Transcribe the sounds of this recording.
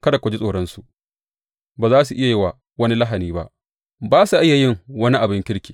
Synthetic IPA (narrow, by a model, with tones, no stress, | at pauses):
kɐ˦da˨kʷɐ˨d͡ʒi˦sʼoː˨ɽɐ˦nsu˨ | baː˨zaː˦s̬u˨ʔɪ˦ja˨jɪ˦waː˨ | wɐ˦ni˦la˦ɦa˨niː˦ba̰˦ʔ | baː˦su˨ʔɪ˦ja˨jɪ˦˨ŋwɐ˦ni˦ʔa˨bɪ˦ŋkʲɪ˦ɽkʲi̥ː˨